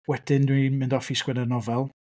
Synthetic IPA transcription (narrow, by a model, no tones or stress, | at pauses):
wɛd̥ɪndwimɪndɔfiskwɛnɛnɔvɛlˠ